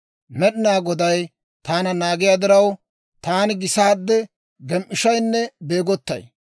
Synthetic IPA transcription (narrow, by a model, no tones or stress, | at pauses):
mɛɗɪnaːɡɔd̪ɐj | t̪aːnɐnaːɡɪjaːd̪ɪɾɐw | t̪aːnɪɡɪsaːd̪ːɛ | ɡɛmʔɪʃɐjnːɛbe̞ːɡɔt̪ːɐ̰j